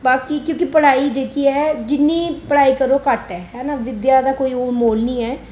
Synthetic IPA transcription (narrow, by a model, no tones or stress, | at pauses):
baːkiːkjõːkɪpəɽ̤aːiːd͡ʒeːkiːɛːd͡ʒɪnːiːpəɽ̤aːiːkəɾoːkəʈɛːɦɛːnaːʋɪd̪jaːd̪aːkoːiːoːmoːlniːɛː